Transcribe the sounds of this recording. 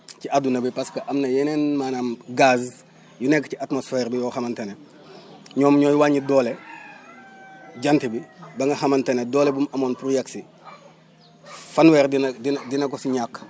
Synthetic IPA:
ciadunɐbipɐskɐʔɐmnɐjɛnenmaːnaːmɡaz | junɛkːciatmosfɛːɾbijɔːxɐmɐntɐne | ɲɔːmɲɔːjwaːɲidɔːle | ɟɐntibibɐŋɡɐxɐmɐntɐnedɔːlebumɐmoːnpɾujɛksi | fɐnwɛrdindidinɐkɔsiɲakː

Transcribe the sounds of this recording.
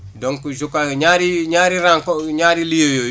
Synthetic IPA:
doŋkud͡ʒukːaɲaːɾiɲaːɾiɾaŋkoɲaːɾilijojo

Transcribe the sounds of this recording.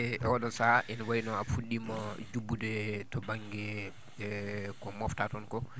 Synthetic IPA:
ɛʔɛwaɗɔsaʔɛnwajinɔafuɗːimad͡ʒubːudɛtɔbaŋɡɛ | kɔmɔftatɔnkɔ

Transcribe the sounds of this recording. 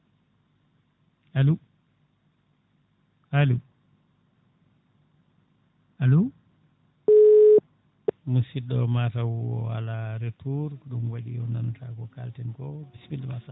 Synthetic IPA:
alu | alu | alu | musidɔmatawɔ̰wa̰laɾetuɾɗumwaɗḭjɔ̰nantʰakɔka̰ltɛnkɔbisbilɛmasa

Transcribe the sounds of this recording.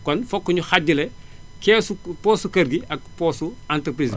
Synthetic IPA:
kɔnfɔkːuɲuxaɟːulɛkɛːsupɔːsukɐrɡiɐk̚pɔːsuantɾəpɾiːz

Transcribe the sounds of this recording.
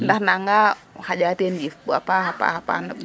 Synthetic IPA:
ndahnaŋɡa | had͡ʒat̪iandifbua̰paɦapa̰hapa̰na

